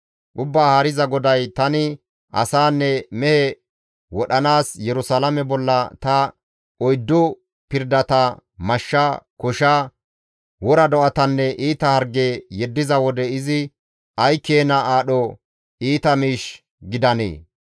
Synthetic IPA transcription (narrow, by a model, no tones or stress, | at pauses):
ʔʊbːaːhɐɾɪzɐɡɔd̪ɐjt̪ɐnɪ | ʔɐ̰saːnːɛmɛhɛ | wɔɗɐnaːsjɛɾʊsaːlɐmɛbɔlːɐt̪ɐ | ɔjd̪ːɔ | pɪɾd̪ɐt̪ɐmɐʃːɐkɔʃa | wɔɾɐd̪ɔʔɐt̪ɐnːɛʔiːt̪ɐhɐɾɡeːjɛd̪ːɪzɐwɔd̪ɛɪzɪ | ɐjkːeːnɐʔaːɗɔ | iːt̪ɐmiːʃ | ɡɪd̪ɐnḛː